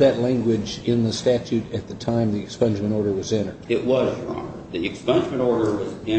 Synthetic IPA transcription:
ðɨtˡlæ̃ŋɡwɪd͡ʒɪ̃nðəstæt͡ʃʉɾɨt̪̚ðɨtʰãɪ̃mðiɨkspʌ̃nd͡ʒmɨ̃ɾ̃ɔɹɾə˞wʌzɛ̃ñə˞d̥ɪʔwʌzɹɑ̰̃ŋ | ðiɨkspʌ̃nd͡ʒmɨ̃ñɔɹɾə˞wʌzɪ̃

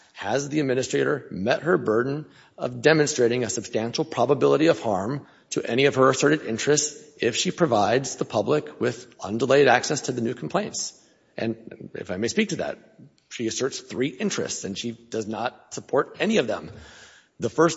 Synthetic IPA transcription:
hɨzðiɨd̚mɪ̃ñɨstɹ̥eɪɾə˞mɛt̚hə˞bɜ˞dⁿn̩ | ʌ̰vdɛmɨ̃nstɹ̥eɪɾɪ̃ŋɨsɨb̥stæ̃nʃl̩ˠpʰɹ̥ɑbəbɪlˠəɾiʌv̥hɑɹm | tʰɨʔɛñiʌv̥ə˞ɨsɜ˞ɾɨɾɪ̃nt͡ʃɹ̥ɨstsɪfʃipʰɹ̥ɨvaɪdzðəpʰʌblɪkʰwɪðʌ̰̃ndəleɪɾæksɛstʰɨðɨnʉkʰm̩pʰl̥ẽɪ̃nts | ʔɨ̰̃nɨ̰faɪmeɪspik̚tʰɨðæ̰t̚ | ʃiɨsɜ˞tsθɹiʔɪ̃nt͡ʃɹ̥ɨ̰stsɨ̃nʃid̥ʌznət̚səpʰɔɹɾɛniʌvðə̰̃m | ðəfɜ˞s

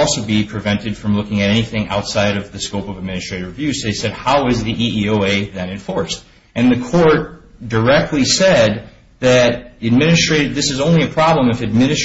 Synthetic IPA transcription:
ɔlˠsoʊbipʰɹ̥ɨvɛ̃ntɨd̥fɹʌ̃mlʊkɪ̃ŋɨɾɛniθɪ̃ŋʔa̰ʊtsaɪɾʌvðɨskoʊpʌvɨd̚mɪ̃nɨstɹ̥eɪɾə˞vjʉsðeɪsɛd̚haʊɨzðiʔiioʊeɪðɨ̃nɨ̃ɱfɔɹst | ʔɨ̃nðɨkʰɔɹt̚d̥ə˞ɛk̚tʰˡlisɛd̪̚ | ðɨɾɨd̚mɪ̃nɨstɹ̥eɪɾɨd̪̚ðɪsɨzõʊ̃nliɨpʰɹ̥ɑblə̃mɨfɨd̚mɪ̃nɨs

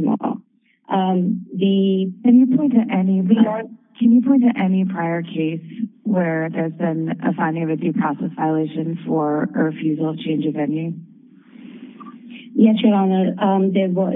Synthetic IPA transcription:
no̰ʊ | ʔʌ̃mðɨkʰɨ̃njɨpʰɔ̃ɪ̃ntɨʔɛniwiəkʰɨ̃njɨpʰɔ̃ɪ̃ntɨʔɛnipʰɹ̥aɪə˞kʰeɪswə˞ðə˞zbɪ̃nɨ̰fãɪ̃ndɪ̃ŋʌvɨdipʰɹ̥ɑsɛsv̥aɪəleɪʃɨ̃nfə˞ə˞fjʉzl̩ˠt͡ʃʰẽɪ̃nd͡ʒɨvɛ̃njʉ | jɛsʰɹɨɾə̃nəʌ̃mðɨwʌ

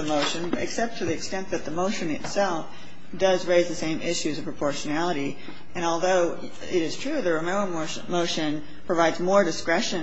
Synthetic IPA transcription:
ɨmoʊʃɨ̃nɨ̰ksɛp̚tʰɨðiɨkstɛ̃nðɨt̪̚ðəmoʊʃɨ̃nɨ̰tsɛlˠf | d̥ʌzɹeɪzðɨsẽɪ̃mɪʃʉzʌv̥pʰɹəpʰɔɹʃɨnælˠəɾi | ʔɨ̃ñɔlˠðoʊ | ɪɾɨz̥tʰɹ̥ʉðɨɹɨmɛ̃əmoʊ | moʊʃɨ̃n | pʰɹ̥ɨvaɪdzmɔɹdɨskɹɛʃɨ̃n

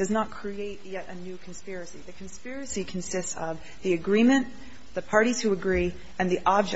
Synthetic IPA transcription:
d̥ʌznət̚kʰɹ̥ieɪt̚jɛɾɨnʉkʰn̩spɪɹɨsiðɨkʰn̩spɪɹɨsikʰn̩sɪstsʌv | ðiɨɡɹĩmɨ̃n | ðɨpʰɑɹɾiz̥huɨɡɹi | ɨ̃nðiʔɑb̚d͡ʒ

